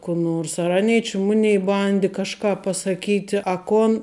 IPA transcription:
kʊ ˈnoːrs ɐr ˈɑːnʲɛɪ t͡ʃʲɪ ˈmʊnʲɛɪ ˈbɐnʲdʲɪ kɐʃˈkɑː pɐsɐˈkʲiːtʲɪ ɐ ˈkoːn

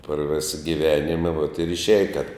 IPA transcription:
pɐr ˈʋʲɪsɐ ɡʲɪˈʋʲæːnʲɪmɐ ʋoːt ɪr ɪʃʲˈæːjɛ tʲɛp

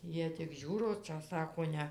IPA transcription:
ˈjiɛ tʲɪk ˈʒʲuːroː ˈt͡ʃʲɛ ˈsɑːkoː ˈnʲɛ

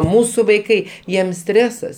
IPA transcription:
ˈmuːsʊ ʋɐɪˈkɐɪ jiɛm ˈsʲtʲrʲæːsɐs

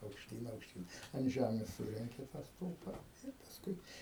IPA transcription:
ɐʊkʃʲˈtʲiːn ɐʊkʃʲˈtʲiːn ɐnt ˈʒʲæmʲeːs ˈsʊrʲɛŋʲkʲɪ tɑː ˈstʊlˠpɐ ɪr pɐsˈkʊɪ

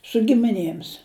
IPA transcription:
sʊ ɡʲɪmʲɪˈnʲeːms

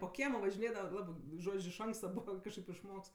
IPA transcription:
poː ˈkʲiɛmoː ʋɐʒʲɪˈnʲeːdɐʋɐ ˈlˠɑːbɜ ˈʒoːt͡ʃʲ ɪʃ ˈɐŋkstɐ ˈbuːʋɐ kɐʃˈkɐɪp ɪʃˈmoːks

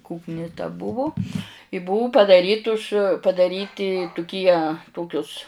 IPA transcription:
ˈkʊknʲɪ tɐ ˈbʊʋʊ ɪ ˈbʊʊ pɐdɐˈrʲiːtʊs pɐdɐˈrʲiːtʲɪ tʊˈkʲiɛ ˈtoːkʲʊs

